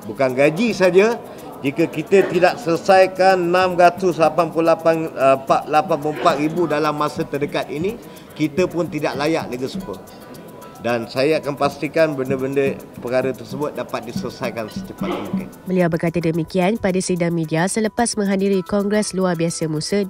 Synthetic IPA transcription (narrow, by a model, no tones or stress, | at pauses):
bukanɡad͡ʒisad͡ʒa | d͡ʒikəkit̪ət̪idaʔsərsajkanːãmɾat̪ʊslapanpulapanəpaʔlapanpuəmpaʔ̪ɾibudalamːãsət̪ədəkat̪̚ini | kit̪əpʊnt̪idaʔlajaʔləɡəsukə̰ | dansajaakanpast̪ikanbəndəbəndəpəkaɾət̪ərsəbʊt̪̚dapat̪̚disərsajkansət̪əpat̪̚muŋkɪnbəliawbərkat̪adəmikianpadasidaŋmĩdiasələpasmə̃ŋɦadiɾikɔŋɡɾɛsluarbiasəmũsən